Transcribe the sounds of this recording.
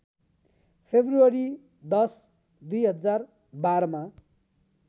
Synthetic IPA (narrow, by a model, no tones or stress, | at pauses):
pʰebruʌɾi | d̪ʌs | d̪ujɦʌd͡zar | baɾʌma